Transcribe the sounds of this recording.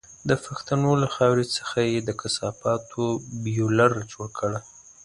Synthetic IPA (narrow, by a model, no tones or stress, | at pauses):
d̪əfaxt̪anolaxɑwɾet͡sə̥xajed̪əkʰasɑpɑt̪ʰobijolaɾt͡ʃwəkʰəɽa